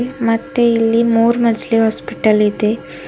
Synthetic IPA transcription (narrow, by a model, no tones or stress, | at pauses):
mɐt̪ːeilːimuːɾmɐd͡ʒliɦaːspiʈɐlid̪e